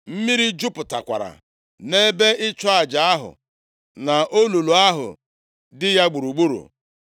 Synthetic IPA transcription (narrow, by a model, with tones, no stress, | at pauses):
m̩˦mi˦ɾi˦d͡ʒu˦pʊ˨ta˨kʷa̰˨ɾa̰˨ | ne˦be˦ʔɪ˦t͡ʃɔ˦a˨d͡ʒa˨a˦ɦʊ̰˨ | na˨ʔo˦lu˨lu˨a˦ɦʊ̰˨ | dɪ˦ja˦ɡ͡bu˨ɾu˨ɡ͡bu˦ɾṵ˨